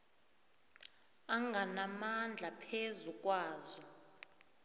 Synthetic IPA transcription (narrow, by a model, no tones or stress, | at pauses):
aŋɡʱanamand͡ɮʱapʰezukʼwaːzɔ